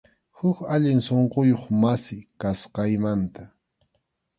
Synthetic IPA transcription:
hʊkaʎɪŋsoɴqojoχmasɪkasqɑjmant̪a

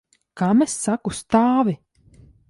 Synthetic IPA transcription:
kamesːakust̪aːvi

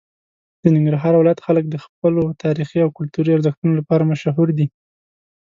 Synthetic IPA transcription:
d̪̥ənɪŋɡɾaɦɑɾwɪlɑjat̪xalək̚d̪əxp̚əlot̪ʰɑɾixiawkʊlt̪uɾiaɾzəxt̪unolapɑɾamaʃaɦuɾd̪i

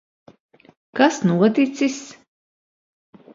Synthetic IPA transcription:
kasnuɔt̪it̪sis

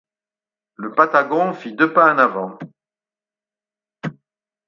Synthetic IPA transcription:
ləpat̪aɡɔ̃fid̪øpaɑ̃navɑ̃

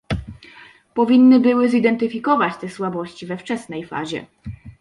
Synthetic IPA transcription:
pɔvʲinːɘbɘwɘzid̪ɛnt̪ɘfʲikɔvat͡ɕt̪ɛswabɔɕt͡ɕivɛft͡ʂɛsnɛjfa̰ʑɛ̰

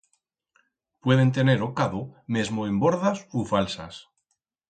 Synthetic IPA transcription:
pwe̞ð̞e̞nt̪e̞ne̞ɾokaðomezmoemboɾðasufalsa̰s

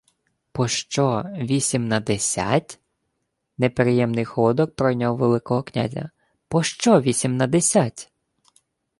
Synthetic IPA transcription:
pɔʃt͡ʃɔʋʲisʲimnɐd̪esʲa̰tʲ | nepɾɪjɛmnɪjxɔd̪ɔk̚pɾɔjnʲawʋelˠɪkɔɦɔknʲa̰zʲɐ̰ | pɔʃt͡ʃɔʋʲisʲimnɐd̪esʲatʲ

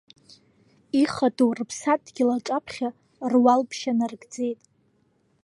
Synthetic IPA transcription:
iχatʼurpʰsat̚ʼɡʲɪlaʈ͡ʂʼapʰχʲa | rwalpʰʃanarɡd͡ze̞jtʼ

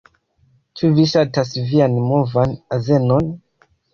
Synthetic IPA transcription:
t͡ʃuviʃatasvianmo̞vanaze̞non

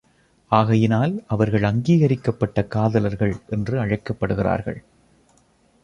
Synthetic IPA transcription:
ʔaːɣɐjɪnaːlʔɐʋɐɾɣɐɭɐŋɡiːɣɐɾɪkːɐpːɐʈːɐkaːðɐlɐɾɣɐɭʔɛndrɯɐɻɐɪkːɐpːɐɽɯɣɪra̰ːɾɣɐ̰ɭ

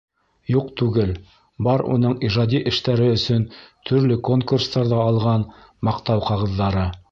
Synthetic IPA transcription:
juqt̪ʉɡɘl | bɑɾṵn̪ɤɴiʒɑd̪ʲiʔɘ̆ʃt̪æɾɘɵ̆sɵnt̪ʰɵ̆ɾlɘko̞ŋkurst̪ɑɾðɑːlˠʁɑn | mɑqt̪ɑwqɑʁɤ̆ðːɑɾɤ

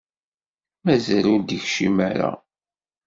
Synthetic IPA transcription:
mæzælʊɾd̪əçʃiməɾa̰

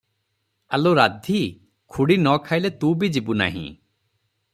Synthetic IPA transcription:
aloɾad̪ʱi | kʰuɽinɔkʰajlet̪ũbid͡ʒibuna̰ɦḭ̃

